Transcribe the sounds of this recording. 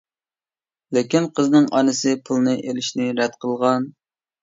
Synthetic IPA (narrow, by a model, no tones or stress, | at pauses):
lekʲinqʰəznɨŋʔɑnɨsɨpʰulˠnɨʔelɪʃnɪɾɛd̪qʰəlˠʁɑn